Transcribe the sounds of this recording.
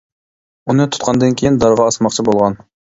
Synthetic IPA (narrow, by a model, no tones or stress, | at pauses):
unɨt̪ʰu̥t̪̚qʰɑnd̪ɨnkʲʰejind̪ɑɾʁɑɑsmɑqt͡ʃʰibolˠʁɑn